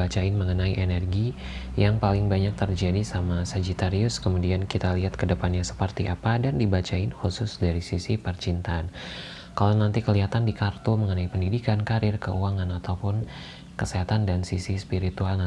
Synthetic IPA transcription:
at͡ʃaɪnməŋənaiʔenɛrɡi | jaŋpalɪŋbaɲak̚t̪ərd͡ʒadisamasad͡ʒit̪aɾiʊskəmudiankit̪aliɦat̪̚kədəpanɲasə̥pərt̪iʔapadandibat͡ʃaɪnxusʊsdaɾisisipərt͡ʃint̪aːn | kalanant̪ikəliɦat̪andikart̪uməŋənaipəndidikankaɾɪrkəʔuaŋanat̪awpʊn | kəseɦat̪andansisispiɾit̪ualna

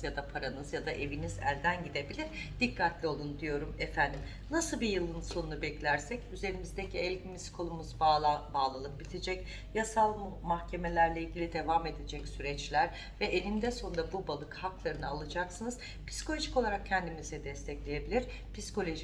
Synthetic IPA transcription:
zjad̪apʰaɾanɯzjad̪aʔe̞vinizæ̰lʲd̪ænɟid̪e̞bilʲiɾd̪̥ikːat̪lʲio̞lˠund̪ijo̞ɾumɛfænd̪im | nasɯlˠbijɯlˠɯnso̞nunubɛclʲæɾsɛcyze̞ɾimizd̪ecʰiɛlʲɟimiskʰo̞lˠumuzbabaːlˠalˠɯk̚bit̪ʰed͡ʒɛc | jasalˠmmahcʰe̞me̞lʲæɾlʲeilʲɟʲilʲid̪e̞vame̞d̪ed͡ʒɛcsyɾɛt͡ʃlʲæɾ | vɛʔelʲimd̪ɛso̞nɾabubalˠɯkhaklˠaɾɯnɯalˠɯd͡ʒaksɯnɯz̥ | pʰi̥si̥kʰo̞lʲo̞ʒiko̞lˠaɾak̚cʰːɛnd̪imizɛd̪ɛst̪ʰɛclʲeje̞bilʲiɾ̥ | pʰisi̥ko̞lʲo̞ʒi

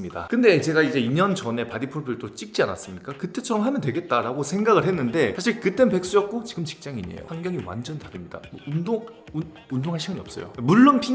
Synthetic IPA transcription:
ɯmɲida̰kɯnde̞t͡ɕe̞ɡaid͡ʑe̞iɲʌnt͡ɕʌne̞padipʰuɭbʰiɯɭt͈ot͡ɕ͈ik̚t͡ɕ͈iana̰s͈ɯmɲik͈akɯt͈e̞t͡ɕʰʌɾʌmɦamjʌndwe̞ɡe̞t̚t͈aɾaɡosʰe̞ŋɡaɣɯɭɦe̞nːɯnde̞sʰaɕʰiɭkɯt͈e̞npe̞ks͈ujʌp̚k͈ot͡ɕiɡɯmt͡ɕi̥k̚t͡ɕ͈aŋiɲḛjo̰haŋɡjʌŋiwa̰nd͡ʑʌntaɾɯmɲida̰mʌundoŋu | undoŋɦaɭɕʰiɡɯniʌps͈ʌ̰jo̰muɭːonpʰi

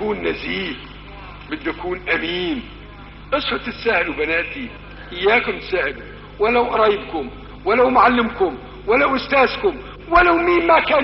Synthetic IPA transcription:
kuːnːaziːh | bɪd̪ːakuːnʔamiːn | ʔɨsˤfʊt̪ɪt̪saːhɪlwbanaːʔt̪i | ʔɪjːaːkʊmt̪saːhɪl | wɪlawʔɑɾˤɑjɪbkʊm | wɪlawmʊʕalːɪmkʊm | walawʔʊst̪aːzkʊm | wɪlawmiːnmakaːn

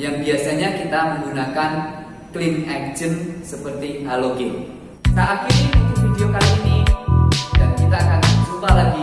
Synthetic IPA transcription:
jaŋbiasaɲakit̪aməŋɡunakan | klɪnɛk̚d͡ʒənsəpərt̪iʔaloɡil | naʔakirit̪ufidiokaliːni | d̥ankit̪aːkansupalaɡi

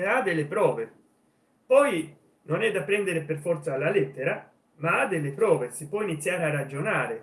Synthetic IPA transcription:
ad̪elːepɾɔːve | pɔj | nonɛd̪ːapːɾɛnd̪eɾeperfɔrt̪saːlːalɛt̪ːeɾa | maad̪ːelːepɾɔːvesipːwɔinit̪sːjaːɾearad͡ʒonaːɾe

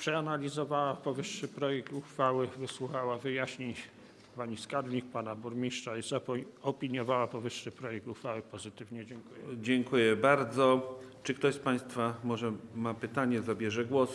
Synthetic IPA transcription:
pʂɛanalʲizɔvawapɔvɘʂːɘpɾɔjɛk̚t̪uxfawɘvɘswuxawavɘjaɕɲi | paɲiskad̪ɲʲik̚panabuɾmʲiʂt͡ʂaizapɔɔpʲiɲjɔvawapɔvɘʂːɘpɾɔjɛk̚t̪uxfawɘpɔzɘt̪ɘvɲɛd͡ʑɛŋkujɛd͡ʑɛŋkujɛbaɾd̪zɔt͡ʂɘkt̪ɔɕspaj̃st̪famɔʐɛmapɘt̪aɲɛzabʲjɛʐɛɡwɔs

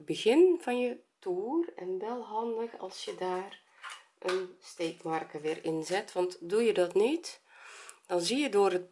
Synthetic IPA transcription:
bəɣɪnv̥ɑnjətuːrɛnʋɛlˠɦɑndəxɑ̰lˠsjədaːr | ʔənsteːkmarkəʋɪːrɪnzɛtʋɑntdujədɔtnit | d̥ɑnzijədoːrət

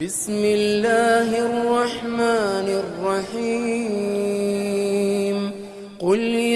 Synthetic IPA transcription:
bɪsmɪlːaːɦʔɑrˤːɑħmaːnrˤːɑħiː | m | qʊlj

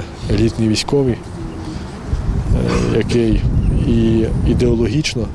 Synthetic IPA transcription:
elʲit̪nijʋʲisʲkɔʋi | jɐkɛjiid̪eɔlˠɔɦʲit͡ʃnɔ

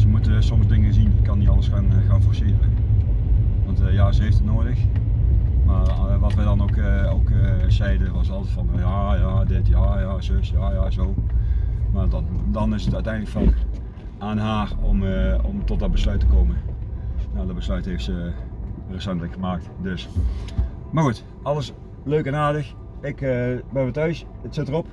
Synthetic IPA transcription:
səmutəsɔmsdɪŋənzinɪkːɑnitɑləsxaːnxaːnfoɹsɪːrə̰ | ʋɑntjaːzəɦejftətnoːdəx | maːʋɑtʋɛdɑnokowkəzɛjdəʋɑsɑlˠtətfɑnjaːjaːdɪtjaːjaːsøsjaːjaːzoː | maddɑnɪsətœɥtɛjndləkfɑk | ʔaːnɦaːrɔmɔmtɔt̚dɔd̚bəslœɥtəkoːmənnadɔt̚bəslœɥthɦeftsə | rəsɛntləkxəmaːk̚tdøs | maɣut | ɑlˠəs | løɥkɛnaːdəx | ɪkbɛnʋətœɥs | ətsɪtərɔp

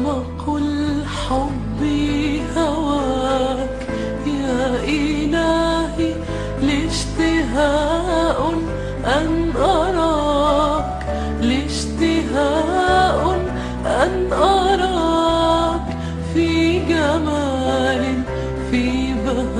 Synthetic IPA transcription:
maqʊl | ħobːihawaː | k | jaːʔɪlaːhi | lɪʃt̪ɪɦaːʔ | ʔanʔɑɾˤɑ | k | lɪʃt̪ɪɦaʔ | ʔanʔɑɾˤɑ | k | fiɡamaːlɪ | fiba

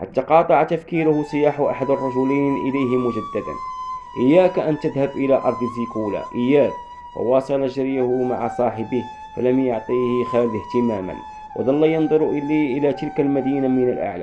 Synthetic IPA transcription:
ħa̰t̪ːaqɑːt̪ˤɑʕat̪afkiːɾʊhʊsˤɨjaːħʊʔaħad̪ɑrˤːɑʒʊlanʔɪlajɦɪmʊʒæd̪ːad̪a̰nʔəjːæːkʔənt̪ːəd̪habʔɪlaːʔɑɾˤd̪ˤəzikuːla̰ʔəjːaːk̚ | wɑ̰wɑːsˤɑlɑʒɪɾjahʊma̰ʕasˤɑːħɪbɪh | fa̰læmjʊʕt̪ˤiːhɪxæːlht̪ɪmaːma̰n | wʔɑ̰d̪ɑlːɑjɑnd̪ˤʊɾʔɪliːʔɪlæːt̪ɪlkalmæd̪iːnamɪnalʔa̰ʕla̰

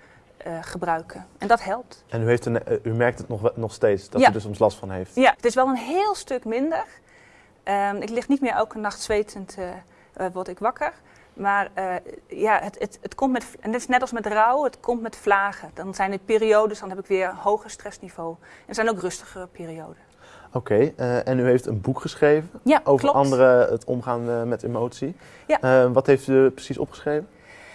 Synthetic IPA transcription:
əχəbrœɥkʰəɛndɑtɦɛlˠp̚tʔɛnyɦeftənymɛɹktətnɔχnɔχsteːtsd̥ɑjaydəsɔmslɑstfɑnɦejftjaətɪsʋɛlˠənɦɪːlˠstʏkmɪndər | ʔəɪklɪχtnitmɪːɹowkənːɑχtsʋejtʰənt | ʋɔɹtɪkʋɑkəɹ | maːrəjaətətətkɔmtmɛtndtɪ̥snɛtɑlˠsmɛtrɔwətkʰɔmtmɛtflaːɣədɔnzɛjnətpiːrioːdənsdɑnɦɛpɪkʋɪːɹhowχəstrɛsniv̥oːʔɛndəz̥ɛjnowkrɵstəχəəpeːriowdə | okejəɛnyɦejftənbukχəsχrejvənjaowvlɔpɑnndəɾəətɔ̰mχaːnmɛtemowtsi | jaʋɑtɦejftyprə̥sisɔ̰pχəsχrejvən

